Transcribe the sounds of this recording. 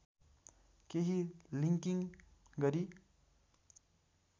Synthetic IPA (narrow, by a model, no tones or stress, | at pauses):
keɦiliŋkiŋɡʌɾi